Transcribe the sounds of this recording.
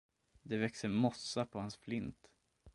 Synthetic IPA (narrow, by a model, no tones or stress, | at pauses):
d̪ɛvɛksəɾmɔsːapʰɔhansflɪnt̪